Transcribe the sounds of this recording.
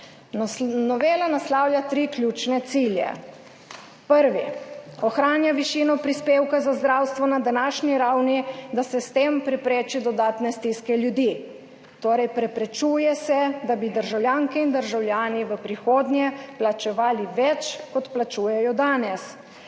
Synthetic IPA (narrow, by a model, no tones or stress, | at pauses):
nɔʋeːlanaslawljat̪ɾiklʲjuːt͡ʃnɛt̪siːljɛ̰ | pəɾʋiɔxɾaːnjaʋiʃiːnɔpɾispeːwkazazd̪ɾawst̪ʋɔnad̪anaːʃniɾawnid̪asɛst̪empɾɛpɾeːt͡ʃid̪ɔd̪aːt̪nɛst̪iskɛljud̪i | t̪oːɾɛjpɾɛpɾɛt͡ʃuːjɛsɛd̪abid̪əɾʒawlʲjaːŋkɛind̪əɾʒawljaːniʋəpɾixoːd̪njɛplat͡ʃɛʋaːliʋɛt͡ʃkɔt̪plat͡ʃuːjɛjɔd̪aːnɛs